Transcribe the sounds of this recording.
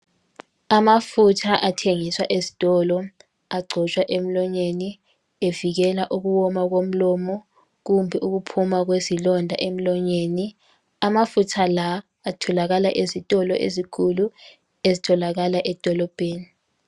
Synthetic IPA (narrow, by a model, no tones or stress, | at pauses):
amafutʰaʔatʰeŋiswa̰ʔezi̥tʼɔlɔ | aɡ͡ǀʱɔt͡ʃʼwaʔem̩lɔɲeni | eviɣ̬ɛlaʔuk̬uwɔmak̬om̩lɔmɔ | k̬umbʱɛʔuk̬upʰumak̬wezilɔndʱa̰ʔem̩lɔɲeːni | amafutʰalaː | tʰɔlaɣalaʔezitʼɔlɔʔḛzikʰulu | ezitʰɔlaɣ̬alaʔɛd̥ʱɔlɔb̥ʱeːni